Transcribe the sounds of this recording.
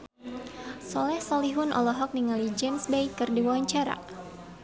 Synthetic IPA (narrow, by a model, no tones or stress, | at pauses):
sɔlɛhsɔliɦʊnʔɔ̰lɔɦɔk̚niŋalid͡ʒemsbejkɨrdiwawaɲt͡ʃaɾa̰